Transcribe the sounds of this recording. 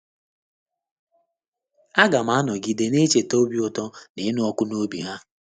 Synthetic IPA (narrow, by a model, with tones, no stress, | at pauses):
a˦ɡa˨m̩˦a˦a˦nɔ˨ɡi˨de˨ne˦t͡ʃe˨to˦bi˦ʊ˨tɔ˦ne˨˦nu˦ɔ˦kʊ˦no˦bi˨ɦa˦